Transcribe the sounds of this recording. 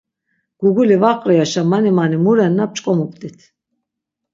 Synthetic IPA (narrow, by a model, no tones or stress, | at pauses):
ɡ̥uɡulivaqʼɾɔjaʃamanimanimuɾɛnːap̚t͡ʃʼkʼɔmup̚ʼt̪ʼit̪ʰ